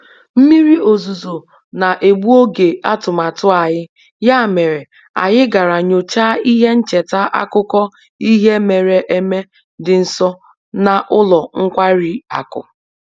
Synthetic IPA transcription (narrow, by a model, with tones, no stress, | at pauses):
m̩˦mi˦ɾi˦o˨zu˨zo˨ | na˨ʔe˨ɡ͡bu˦o˦ɡe˨a˦tʊ˨ma˨tʊ˦a˨ɲɪ˦ | ja˦˨me˨ɾe˨ | a̰˨jɪ˦ɡa˨ɾa˨ɲo˨t͡ʃa˦i˦ɦe˦n̩˦t͡ʃe˨ta˦ʔa̰˦kʊ˦kɔ˦ | i˦ɦe˦me˨ɾe˨ʔe˦me˦ | dɪ˨n̩˨sɔ˦ | na˨ʔʊ˦lɔ˨ŋ̩˦kʷa˦ɾi˨a̰˨kʊ̰˨